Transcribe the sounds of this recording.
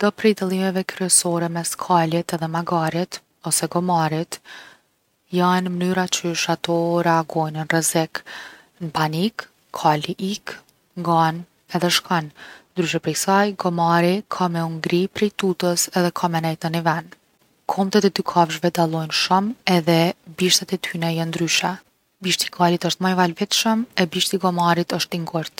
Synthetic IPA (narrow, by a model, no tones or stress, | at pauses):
d̪̥apɾɛjd̪alˠimɛvɛkɾyɛsɔɾɛmɛskʰalɛt̪ɛðɛmaɡaɾit̪ | ɔsɛɡɔmaɾit̪ | janmənyɾat͡ʃəʃat̪ɔɾɛaɡɔjnənrɛzɛk | npanikːʰ | aliʔik | ŋɡan | ɛðɛʃkannd̪ɾyʃ̬ɛpɾɛjsajɡɔmaɾikʰamɛuŋɡɾipɾɛjt̪ut̪əsɛðɛkʰamɛnɛjt̪ənivɛn | kʰɔmt̪ɛt̪ɛd̪ykʰavʒvɛd̪alˠɔjnʃumɛðɛbiʃt̪at̪ɛt̪ʰynɛjand̪ɾyʃɛ | biʃt̪i̥kʰalit̪əʃt̪majvalvɛt̪ʃəmɛbiʃt̪iɡɔmaɾit̪əʃt̪iŋɡɔɾt̪